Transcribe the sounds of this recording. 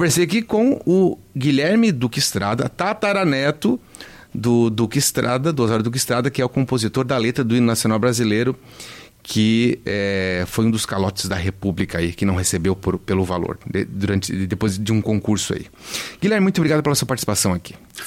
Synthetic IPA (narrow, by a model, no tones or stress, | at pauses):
kõveɾsejakikõʊɡiʎɛɾmɪd̪ukist̪ɾad̪ɐt̪at̪aɾanɛt̪ʊ | d̪ʊd̪ukist̪ɾad̪ɐd̪ʊazaɾʊd̪uk̬ɪist̪ɾad̪ɐkɪɛʊkõpozit̪oɾd̪ɐlet̪ɾɐd̪ʊĩnnasiõnawbɾazilejɾʊ | kʰɪɛfojũd̪ʊskalɔt͡ʃɪ̥zd̪ɐɦepublikɐaikɪnɐ̃w̃ɦesebewpʊɾpelʊvalo̰ɾd̪ḛd̪uɾɐ̃nt͡ʃɪ̰d̪epojzd͡ʒɪũkõkuɾsʊa̰ḭ | ɡiljɛɾmɪmũt̪obɾiɡad̪ʊpelɐsuɐpaɾt͡ʃi̥sipasɐ̃w̃aki̥